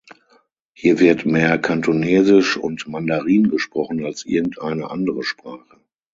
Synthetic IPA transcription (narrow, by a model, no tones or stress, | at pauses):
hiːɐvɪɐtmeːɐkʰantʰoneːzɪʃʊ̰ntmandaʁiːnɡəʃpʁ̥ɔχn̩alsʔɪɐɡŋ̩tʔaɪnə̰ʔandəʁəʃpʁ̥aːχə